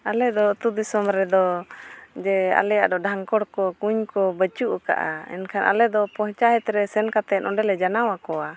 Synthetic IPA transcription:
alɛd̪ɔt̪ud̪isɔmɾɛd̪ɔ | d͡ʒɛa̰lɛja̰ʔd̪ɔɖʱaŋkɔɽkɔkuɲkɔbət͡ʃuʔka̰ʔa̰ɛ̰nkʰanʔa̰lɛd̪ɔpɔ̃ɦt͡ʃaɦɛt̪ɾɛsɛnkat̪ɛʔɔɖɛlɛd͡ʒanawakɔwa

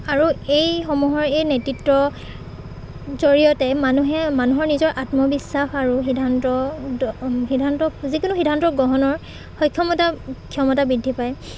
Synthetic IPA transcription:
aɹuejxɔmuɦɔɹejnetɹitɹɔ | zoɹijɔtɛmanuɦɛmanuɦɔɹnizɔɹʔatmɔbisːaxaɹuxidʱantɔ | xidʱantɔzikʊnuxidʱantɔɡɔɦɔnɔɹ | xɔjkʰjɔmɔtakʰijɔmɔtabɹidʱːipaj

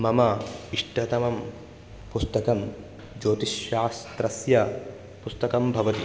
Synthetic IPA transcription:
mɐmɐiʂʈɐt̪ɐmɐm | pust̪ɐkɐm | d͡ʒoːt̪iʃːaːst̪ɾɐsjɐ | pust̪ɐkɐmbʱɐʋɐt̪i

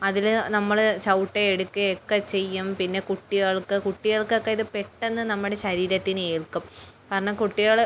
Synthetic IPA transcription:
ɐðilnɐmːɐɭt͡ɕɐwʈːeːɽukːɨekːɐt͡ɕe̞jːumpinːe̞kuʈːiɣɐɭkɨkuʈːiɣɐɭkokːeiðɨpeʈːe̞nːɨnɐmːuɽe̞ɕɐɾiːɾɐt̪ːinɨe̞ːɭkːumkaːɾɐɳɐmkuʈːijaːɭ

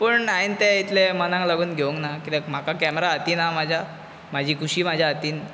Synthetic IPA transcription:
pəɳaint̪ɛit̪lemənãŋklaɡuːnɡʱeuŋknakit̪ɛm̤akakɛməɾaːt̪iːnamad͡ʑʱa | mad͡ʑʱiːkʰuɕiːm̤ad͡ʑʱjaət̪iːn

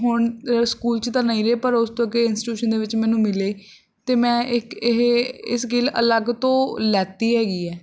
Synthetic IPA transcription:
ɦʊɳskuːlt͡ʃt̪ãːnaĩːɾeːpəɾʊst̪õːkeɪnsʈːʈjuːʃənd̪eːʋɪt͡ʃmɛ̃ːnũːmɪleː | t̪eːmɛ̃ːɪkɦɪsɡɪlə̰ləɡt̪õːlɛːt̪iːɦɛːɡiːɛː

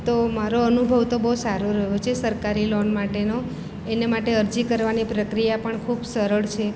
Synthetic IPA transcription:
t̪omaɾoənubʱəʋt̪obəɦusaɾoɾəɦot͡ʃʰesəɾkaɾilɔnmaʈeno | enemaʈeəɾd͡ʒikəɾʋanipɾəkɾijapəɳkʰubsəɾəɭt͡ʃʰe

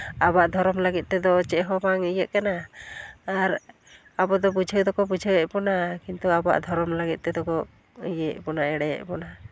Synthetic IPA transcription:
abaʔd̪ʱɔɾɔmləɡit̪̚ˀt̪ɛd̪ɔt͡ʃɛʔɦɔmaŋəjəʔkanaː | ɾ | abɔd̪ɔbud͡ʒʱəwd̪ɔkɔbud͡ʒʱəwɛʔpɔnakint̪uaba̰ʔd̪ʱɔɾɔmləɡit̪̚ˀt̪ɛd̪ɔkɔ | əjəʔpɔnaɛɽɛjɛ̰ʔpɔna

